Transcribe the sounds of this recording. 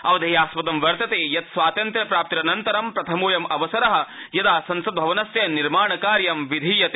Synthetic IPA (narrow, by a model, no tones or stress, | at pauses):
ɐʋɐd̪ʱɐjaːspɐt̪ɐmʋɐɾt̪ɐt̪eːjɐt̪sʋaːt̪ɐnt̪ɾɐpɾaːp̚t̪ɾɐnɐnt̪ɐɾɐmpɾɐt̪ʰɐmoːjɐmɐʋɐsɐɾɐɦɐ̆ | jɐd̪aːsɐnsɐd̪̚bʱɐʋɐnɐsjɐniɾmaːɳɐkaːɾjɐmʋid̪ʱiːjɐt̪eː